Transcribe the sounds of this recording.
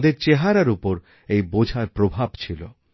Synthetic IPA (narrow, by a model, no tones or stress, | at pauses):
d̪eɾt͡ɕeɦaɾaɾupoɾ | ejbod͡ʑʱaɾpɾobʱabt͡ɕʰilo̰